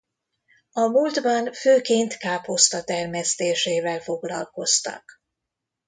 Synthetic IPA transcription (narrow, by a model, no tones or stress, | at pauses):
ɒmuld̪bɒnføːkeːnt̪kaːpo̞st̪ɒt̪ɛrmɛst̪eːʃeːvɛlfo̞ɡlɒlko̞st̪ɒ̰k